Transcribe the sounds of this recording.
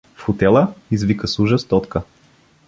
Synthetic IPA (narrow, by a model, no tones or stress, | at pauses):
fxot̪ɛlˠəizvikəsuʒəst̪ɔt̪kə